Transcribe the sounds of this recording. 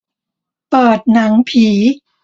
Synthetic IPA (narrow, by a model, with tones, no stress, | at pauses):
pɤː˨˩t̪̚na˩˦ŋpʰiː˩˦